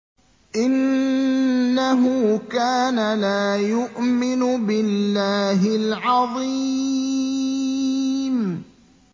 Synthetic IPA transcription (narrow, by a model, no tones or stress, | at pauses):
ʔɪnː | aɦʊkaːnalaːjʊʔmɪnʊbɪlːaːɦɪlʕɑðˤi | m